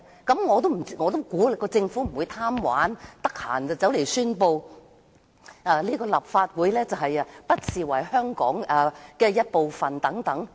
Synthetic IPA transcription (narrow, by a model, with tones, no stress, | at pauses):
kɐ˨˥mŋɔː˨˧t̪o˥wm̩˨˩i˥˩ŋɔː˨˧t̪o˥wkuː˨˥lɪ˨˩kːɔː˧t͡sɪ˧ŋfuː˨˥m̩˨˩wu˨˧jt̪ʰaː˥mwa̰ː˨˥nt̪ɐ˥k̚ha̰ː˨˩nt͡sɐ˨wt͡sɐ˨˥wle˨˩jsyː˥npo˧w | ɛː˨˧liː˥kɔː˧lɐ˨p̚faː˧t̚wuː˨˥jlɛː˥t͡sɐ˨wɦɐ˨jɐ˧pɐ˥t̚siː˨˩wɐ˨˩jhœː˥ŋkɔ̰ː˨˥ŋɛː˨˩kɛː˧jɐ˥t̚po˨˧wfɐ˨nt̪ɐ˨˥ŋt̪ɐ˨˥ŋ